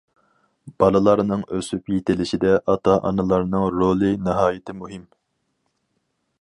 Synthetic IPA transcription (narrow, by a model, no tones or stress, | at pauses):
b̥ɑlˠɨlˠɑɾnɨŋøsypjet̪ʰɪlɪʃid̪ɛʔɑt̪ʰɑʔɑ̰nɨlˠɑɾnɨŋɾolˠɨnɨɦɑːjɪt̪ʰɪmuɦɪm